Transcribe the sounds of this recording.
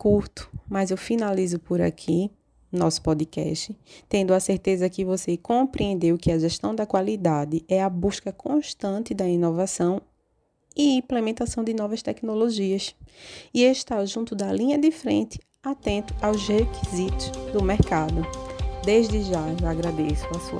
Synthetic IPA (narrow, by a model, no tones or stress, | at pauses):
kuɾt̪ʊ̥mɐzewfinalizʊpoɾa̰kʰi | nɔsʊ̥pɔd̪ɪkɛ̰ʃt̪ɪt̪ẽnd̪ʊɐseɾt̪ezɐkɪvosekõpɾiẽnd̪ewkɪɐʒɛʃt̪ɐ̃w̃d̪ɐkwalid̪ad̪ɪɛɐbuʃkɐkõʃt̪ɐ̃nt̪ɪd̪ɐinovasɐ̃w̃ | iĩplemẽnt̪asɐ̃w̃d̪ɪnɔvɐʃt̪ɛknoloʒiɐsieʃt̪aʒũt̪ʊd̪ɐlĩɲɐd̪ɪfɾẽnt̪ɪ̥ | at̪ẽnt̪ʊ̥awzhekizit̪ʊzd̪ʊmeɾkad̪ʊd̪eʒd̪ɪʒaewaɡɾad̪esʊɐsuɐ̰